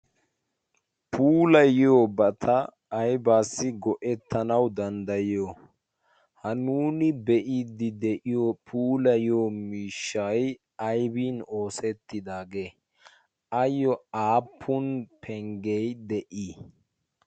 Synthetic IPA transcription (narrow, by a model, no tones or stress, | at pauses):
pʰuːlɐjɪjoːbɐt̪ʰɐ | ɐjbaːsːɪɡɔʔɛt̪ʰːɐnɐwd̪ɐnd̪ɐjo | hɐnuːnɪbɛʔiːd̪ɪd̪ɛʔɪjoːpʰuːlɐjɪoːmiːʃːɐj | ɐjbiːno̞ːsɛt̪ːɪd̪aːɡe̞ː | ɐjːɔaːpʰːʊnpʰɛŋɡɛjd̪ɛʔiː